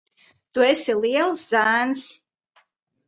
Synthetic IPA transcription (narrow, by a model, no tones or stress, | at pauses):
t̪uesʲilˠiɛlˠszæːns